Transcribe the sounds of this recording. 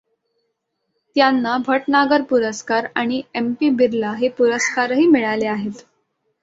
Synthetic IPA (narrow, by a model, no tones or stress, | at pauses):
t̪janːabʱəʈnaɡəɾpuɾəskaɾaɽ̃iempiːbʱiɾlaɦepuɾəskaɾɦiːmiɭaleaɦet̪